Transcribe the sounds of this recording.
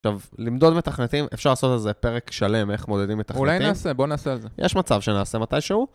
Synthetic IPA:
χʃavlimd̪o̞dmet̪aχnet̪imʔefʃaʁlaːso̞t̪elzepe̞ʁekʃale̞me̞χmo̞d̪ed̪imːet̪auelajniaːsebo̞neːsealzejʔeʃmat͡savʃenaːse̞mat̪ajʃeu

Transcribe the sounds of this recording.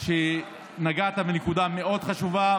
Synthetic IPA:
ʃe | naɡat̪abenekud̪ame̞ʔo̞d̪χaʃuva

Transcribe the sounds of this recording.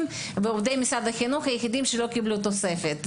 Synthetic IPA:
m | veovd̪ejmisad̪axinuχajexid̪imʃelo̞kiblut̪ose̞fet̪

